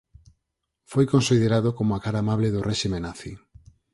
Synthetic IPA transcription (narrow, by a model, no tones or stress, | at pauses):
fojkonsið̞eɾaðokomoakaɾaːmaβleðorʔɛʃimẽnaθi